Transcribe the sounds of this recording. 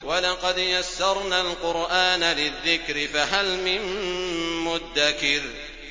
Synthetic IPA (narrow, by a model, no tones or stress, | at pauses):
walɑqɑd̪jasːɑɾˤnaːlqʊɾʔaːnalɪðːɪkɾɪfaɦalmɪn | mʊd̪ːakɪɾ